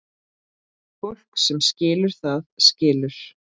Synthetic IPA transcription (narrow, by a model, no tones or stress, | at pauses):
fɔwl̥ksɛmscɪːlʏɾ̥θaðscɪːlʏɾ̥